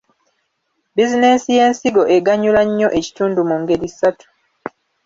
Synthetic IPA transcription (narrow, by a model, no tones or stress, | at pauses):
bizine̞nsije̞ːnsiɡo̞ʔeɡaɲulaɲːo̞ʔe̞ci̥tuːndumuŋɡe̞ɾisatu̥